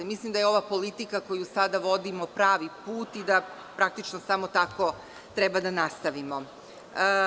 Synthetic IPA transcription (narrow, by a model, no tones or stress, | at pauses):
mislˠimd̪ajeo̞ʋapo̞lit̪ikako̞jusad̪aʋo̞d̪imo̞pɾaːʋipuːt̪id̪a | pɾak̚t̪it͡ʃnosamot̪ako̞ | t̪ɾɛbad̪anast̪aʋimo̞